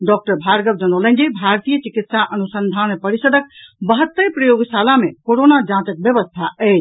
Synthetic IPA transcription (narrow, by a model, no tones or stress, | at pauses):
ɖɔk̚ʈəɾbʱaɾɡəb̚d͡ʒənələ̃nd͡ʒibʱaɾt̪ijət͡ʃikit̪saʔənusənd̪ʱanmepəɾisəd̪ʱək̚bəɦət̪ːəpɾəjoɡsalamekoɾonad͡ʒãt̪ək̚bjəβəst̪ʰaət͡ʃ